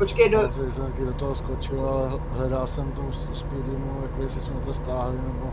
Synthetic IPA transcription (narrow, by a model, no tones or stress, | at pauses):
pot͡ʃkejdosɛmt̪kidot̪oɦoskot͡ʃɪlalɛ | ɦlɛdalsɛmt̪omsospidimujakojɛsɛsmɛt̪ɛst̪aːɦlɪnɛbo